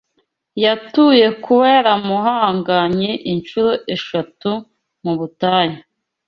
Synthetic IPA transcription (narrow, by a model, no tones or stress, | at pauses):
jatuje̞kuweɾamuɦaːŋɡaɲeʔint͡ʃuɾoʔe̞ʃatu | muβutaːɲi